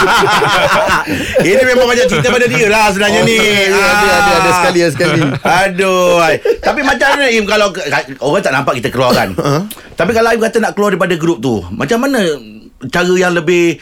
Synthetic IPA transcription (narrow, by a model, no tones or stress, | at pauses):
inĩmemãŋbaɲaʔt͡ʃəɾit̪̬əpadadiəlahs̬ənaɲanijadiadaadasəkaliasəkaliadoajt̪apimãt͡ʃamanəimkalawkkaoɣaŋt̪aʔnampaʔkit̪əkəluaɾa̰n | t̪apikalaimkat̪anaʔkəluardaɾipadaɡɾʊp̚t̪ṵma̰t͡ʃamːanə̃ | t͡ʃaɾəjaŋləbɪh